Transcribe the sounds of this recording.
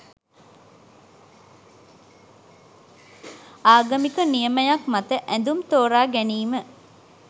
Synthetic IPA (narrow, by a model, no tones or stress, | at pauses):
aːɡəmikənijəməjakmat̪əʔænd̪umt̪oːɾaːɡæniːmə